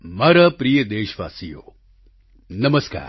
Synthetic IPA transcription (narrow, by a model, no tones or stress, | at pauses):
mɐɾɐpɾijəd̪eːʃʋa̰ːsijo̰ː | nɐməska̰ːɾ